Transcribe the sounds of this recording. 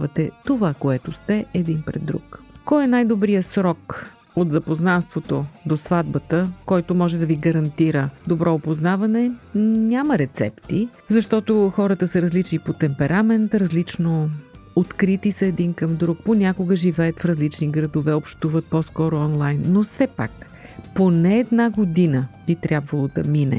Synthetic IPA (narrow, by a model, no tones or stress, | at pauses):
vɐt̪ɛt̪ovakoɛt̪ost̪ɛʔɛd̪inpɾɛ̰d̪ːɾṵkkɔjɛnajd̪obɾijəsɾɔk | ot̪zɐpoznanst̪vot̪od̪osvad̪̚bət̪əkɔjt̪omɔʒɛd̪ɐviɡɐɾɐnt̪iɾəd̪obɾʔɔopoznavɐnɛnʲaməɾɛt̪sɛ̰pt̪i | zɐʃt̪ɔt̪oxɔɾət̪əsɐɾɐzlit͡ʃnipot̪ɛmpɛɾʔamɛnt̪ɾɐzlit͡ʃno | ot̪kɾit̪isɐɛd̪inkəmd̪ɾuk̚ponʲakʊɡəʒivɛət̪fɾɐzlit͡ʃniɡɾɐd̪ovɛopʃt̪uvət̪̚pɔskɔɾoɔnlˠajnːofsɛpa̰k | ponɛːd̪naɡod̪inəb̥it̪ɾʲjabvəlˠod̪ɐminɛ̰